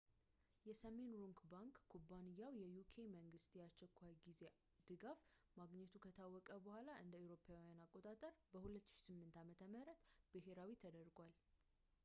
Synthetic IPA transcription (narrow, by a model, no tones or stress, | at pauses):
jɛsəme̞nɾuŋkbaŋkːʰubanɨjːawjɛjukʰe̞məŋɡɨst̪jɛat͡ʃːɛkʷʰːajɡize̞ | d̪̥ɨɡaf | maɡɲːɛt̪ʰukʰət̪ʰawːɔkʼəbəhalaʔɨnd̪əiwɾo̞pʰawijanakʼːo̞t̪ʼat̪ʼəɾbəhulət̪ːɨ̥ʃsɨmːɨnt̪amət̪ʰəməɾət̪b̥ɨɦe̞ɾawit̪ʰəd̪əɾɡʷal